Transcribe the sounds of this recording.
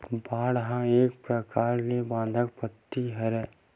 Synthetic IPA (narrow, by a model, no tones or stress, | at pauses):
baːɽɦãeːk̚pɾəkaːɾlebãːnd̪ʱək̚pət̪ːiɦɛɾɛ